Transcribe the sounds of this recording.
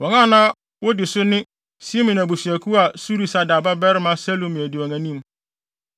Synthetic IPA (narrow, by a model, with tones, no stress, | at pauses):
wɔ˨ŋã˦˨nãː˦ | wo˦dɪ˨sʊ˦nɪ̃˦ | si˦mĩ˨n˨æ˨bu˨si˨æ˨kʰu˦a˨su˦ɾi˨sa˦da˨ba˦bɛ˦ɾmã˦sɛ˦lo˨mĩ˨æ˨di˨wɔ̃˨ŋæ̃˨nĩ˦m